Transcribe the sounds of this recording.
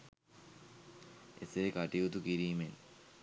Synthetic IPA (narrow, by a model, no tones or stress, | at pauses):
ḛseɾekaʈiut̪ukiɾiːmen